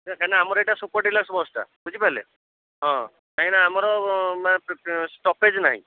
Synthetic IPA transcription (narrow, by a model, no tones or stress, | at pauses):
kaɦinaːmɔɾeʈasupɔʈilasbɔsʈa̰bud͡ʒipalḛ | ɦɔ̃ | kaɦĩnaːmɔɾɔmanesʈɔped͡ʒnaɦḭ̃